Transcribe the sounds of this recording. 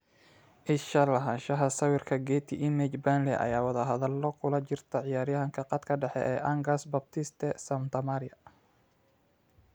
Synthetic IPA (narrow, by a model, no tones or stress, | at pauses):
ʔɪʃɐlɐɦɐnʃɐɦɐsɐwɪrkʰɐɡɛːt̪ʰiʔɪmɛt͡ʃbanlɛʔɐ̰jaːwɐðɐɦɐðɐlːɔkʰʊlɐt͡ʃɪrt̪ʰɐʕɪjaːɾjɐɦɐŋkʰɐqɑd̪kʰɐɖɛħɛ̰ʔɛːʔɐŋɡɐsbɐb̚t̪ʰɪst̪ʰɛsɐmt̪ʰɐmaɾɪjɐ